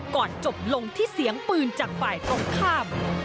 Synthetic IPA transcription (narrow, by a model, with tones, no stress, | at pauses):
kɔː˨˩nt͡ɕo˨˩p̚lo˧ŋt̪ʰiː˥˩si˨˩˦əŋpɯː˧nt͡ɕaː˨˩k̚faː˨˩jt̪o˦˥ŋkʰaː˥˩m